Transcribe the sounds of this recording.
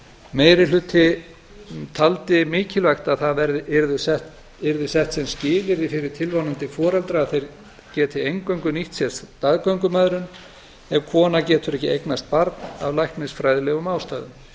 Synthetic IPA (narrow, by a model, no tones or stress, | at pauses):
meːjɾɪlʏt̪ʰːɪ | t̪ʰalt̪ɪmɪːcɪlvajxt̪aðθaðvɛɾðɪɛɾðʏsɛht̪ | ɛɾðɪsɛht̪sɛmscɪːlɪɾɪfɪɾɪɾ̥t̪ʰɪlvanʏnt̪ɪfɔːɾɛlt̪ɾaːðθejɾ | cɛːt̪ʰɪejŋkœɥŋkʏniht̪sɛ̥t̪aðkœɥŋkʏmœðɾʏn | ɛvkʰvɔːnacɛːt̪ʏɾɛhcɪejknast̪̚paɾt̪navlajhk̪mɪsfɾajðɪlɛɣʏmaːwst̪aːðʏm